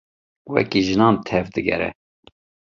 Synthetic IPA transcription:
wɛ̰kiʒɨnɑːnt̪ʰɛvd̪ɨɡɛ̰ɾɛ̰

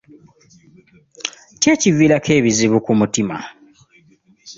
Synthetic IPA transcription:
ce̞ːcivilake̞ːβiziβukumutima̰

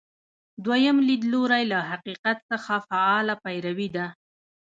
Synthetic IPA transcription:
d̪wajəmlid̪loɾajlaɦaqiqat̪səxafaɑlapajɾawid̪a

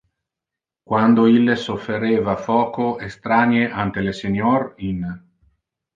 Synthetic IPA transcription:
kwand̪oilːesofːeɾeːvafɔːkoest̪ɾanjeʔant̪elesenjɔrin

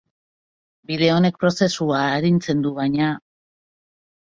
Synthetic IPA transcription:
biðe̞o̞ne̞k̚pɾo̞se̞suaeɾint͡se̞nd̪uβajɲa

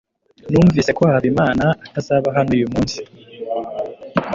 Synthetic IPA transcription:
nuːɱviːsekohaβimaːnaːtazaːβaɦanoujumuːnsi̥

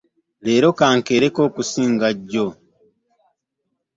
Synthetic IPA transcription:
le̞ːɾo̞kaːŋkeɾeko̞ːkusiːŋɡaɟːo

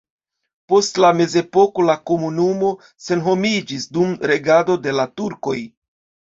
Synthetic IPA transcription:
po̞stlame̞ze̞po̞ko̞lako̞munumo̞ | se̞nɦo̞mid͡ʒisdumɾe̞ɡado̞de̞latuɾko̞j

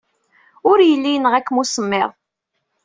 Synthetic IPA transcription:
ʊɾjəlːinəʁækːmusəmːɪ̰ʁ

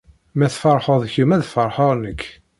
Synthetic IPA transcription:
mæθfəɾˤħəðˤçumæðfəɾˤħəɾˤnəkː

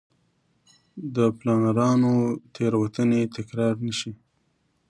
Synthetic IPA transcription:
d̪əplɑnaɾɑnot̪ʰeɾwat̪ənet̪ɪkɾɑɾnəʃi

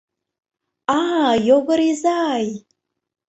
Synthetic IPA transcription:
ajoɡəɾizaːj

